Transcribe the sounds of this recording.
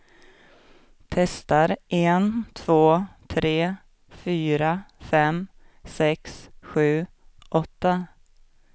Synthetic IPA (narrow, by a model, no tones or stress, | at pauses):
t̪ʰɛst̪aɾʔɛnt̪ʰv̥oːt̪ʰɾeː | fyːɾafɛm | sɛksɧʉ̟ːʔɔt̪ːa